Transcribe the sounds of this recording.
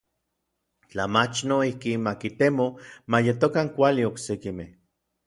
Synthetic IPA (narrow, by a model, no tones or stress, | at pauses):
t͡ɬamat͡ʃnoihkinmakit̪emomajet̪okaŋkʷalioksekimeh